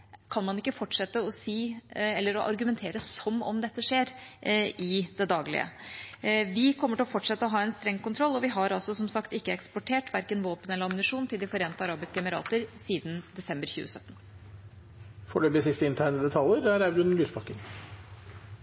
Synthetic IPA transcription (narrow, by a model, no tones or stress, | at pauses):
kʰɑnmɑnɪkːəfɔʈʂɛt̪ːəɔsiːɛlːəɾɔʔɑ̰ɾɡʉmɛnt̪ʰeːɾəsɔmɔ̰md̪ɛt̪ːəʂeːɾ | ɪd̪ɛd̪ɑːɡlɪ̰ə̰ | ʋɪkʰɔmːəʈɪlɔfɔʈʂɛt̪ːəɔɦɑːɛnst̪ɾɛŋːkʊnt̪ʰɾɔlːɔʋɪɦɑɾɑlsɔsɔmsɑkt̪ɪkːəɛkspɔʈʰeːʈʋæɾkənʋoːpənɛlːəɑmnɪʂuːnt̪ʰɪld̪ɪfɔɾeːnt̪əɑɾɑːbɪskəɛmɪɾɑ̰ːt̪əɾsiːd̪n̩d̪ɛsɛmbəɾçʉ̰ːəsœt̪ːn | fɔɭøːb̪ɪsɪst̪əɪnt̪ʰæɳəd̪ɛt̪ʰɑljəɾæɾæbɾʉnlyːsbɑkːən